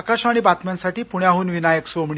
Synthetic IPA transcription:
kaɕaɽ̃ibat̪mansaʈiːpuɳjaɦuːnʋinajeksomiɳ

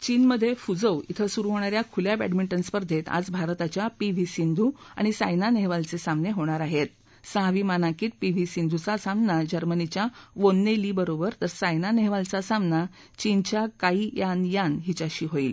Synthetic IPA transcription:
t͡ɕiːnməd̪ʱːjefud͡zəwḭt̪ʰəsuɾuɦoɳ̃aɾjakʰuljabæɖmiɳʈənspəɾd̪ʱet̪a̰d͡zbʱaɾt̪at͡ɕjapiʋ̤ʱisind̪ʱua̰ɽ̃isajnaneɦʋalt͡sesamneɦoɽ̃aɾaɦet̪̚ | səɦʋimanãkiːt̪̚piʋ̤ʱisind̪ʱut͡sasamnad͡ʑəɾmənit͡ɕjaʋonːeliːbəɾobəɾt̪əɾsajnaneɦʋalt͡sasamna | t͡ɕint͡ɕjakaiːjanjanɦit͡ɕaɕiːɦoiːl

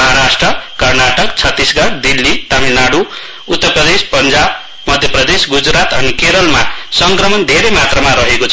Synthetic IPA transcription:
ʌɦaɾasʈrʌkʌrnaʈʌkt͡sʰʌt̪ːisɡʌɾd̪ilːit̪aminaɽu | ut̪ːʌrprʌd̪espʌnd͡zab | mʌd̪ʱjʌprʌd̪esɡud͡zɾat̪ʌnikeɾʌlma̰sʌŋkrʌmʌnd̪ʱeɾejmat̪rʌmaɾʌɦeko

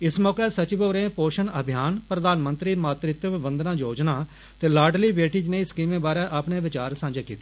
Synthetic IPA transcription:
ɪsmɔːkɛːsət͡ʃɪboːɾẽːpoːʃənəbʱjaːnpɾəd̪aːnmənt̪ɾiːmaːt̪ɾɪt̪ʋɪbənd̪nãːd͡ʒoːd͡ʒnaː | t̪eːlaːɖliːʋeːʈiːd͡ʒnẽːɪskiːmẽːbaːɾɛːʔaːpɳẽːʋɪt͡ʃaːɾsãːɲd͡ʒeːkiːt̪e̥ː

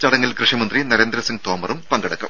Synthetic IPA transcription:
t͡ɕɐɽɐŋːɐlkrɨʂimɐnd̪rinɐɾeːnd̪ɾɐsiŋɡ̚t̪oːmɐrumpɐŋɡɐɽɐkːɐ̰m

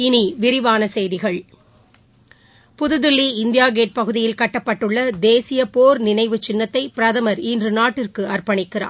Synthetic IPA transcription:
ɪniʋɪɾɪʋaːnɐsɛjðɪɣɐɭ | pʊðɯðɪlːiɪnd̪ɪjaːɡeːʈ̚pɐɣɯðɪjɪlkɐʈːɐpːɐʈːɯɭːɐd̪eːsɪjɐpoːɾnɪnɐɪʋɯt͡ʃɪnːɐt̪ːɐɪpɪɾɐðɐmɐɾiːndrɯnaːʈːɪrkɯɐrpɐɳɪkːɪra̰ːɾ

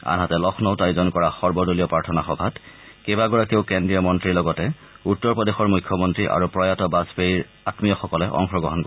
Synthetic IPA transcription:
a̰nɦatɛlɔxʰnɔʊtajzɔnkɔɹaxɔɹbɔdolijɔpɹaɹtʰɔnaxɔbʱat | kebaɡɔɹakeʊkendɹijɔmɔntɹiɹlɔɡɔtɛ | utːɔɹpɔdexɔɹmujkʰːɔmɔntɹiʔa̰ɹupɹɔjatɔbaspeɹiɹ | atmijɔxɔkɔlɛʔɔ̰ŋxɹɔɡɔ̰ɦɔnk

